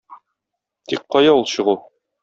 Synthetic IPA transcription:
t̪ik̚qːɒjɑulˠɕɤ̆ʁu

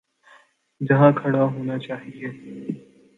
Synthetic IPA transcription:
d͡ʒɐɦãkʰɐɽaɦoːnat͡ʃaːɦieː

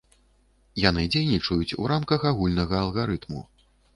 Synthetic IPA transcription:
jan̪ɨd͡zʲejnʲit͡ʂɐjut͡sʲṵɾamkɐxaɣulʲnɐɣɐːlˠɣaɾɨt̪mṵ

